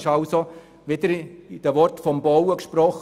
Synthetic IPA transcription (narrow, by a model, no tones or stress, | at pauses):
ʃɑlso | ʋɪd̥̪əɾid̥əʋɔrtfɔmbɔwəkʃpɾɔχ